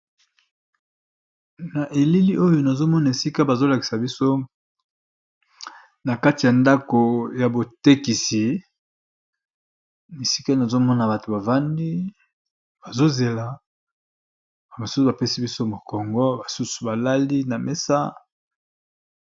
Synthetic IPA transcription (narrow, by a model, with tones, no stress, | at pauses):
na˨ʔe˨li˦li˦ʔo˦jo˨na˨zo˦mɔ˦na˨e˨si˦ka˦ba˨zo˦la˨ki̥˨sa˨bi˦so˦ | na˨ka˦ti˨ja˨nda˦ko˨ja˨bo˨te˦ki˨si˨ | e˨si˦ka˦na˨zo˦mɔ˦na˨ba˨to˨ba˨va˦ndi˦ | b̥a˨zo˦ze˨la˨ | a˨ma˨su˦u˨ba˨pe˦si˦bi˦so˦mo˨kɔ˨ŋɡɔ˦ba˨su˦su̥˨ba˨la˦li˦na˨me˦sa̰˦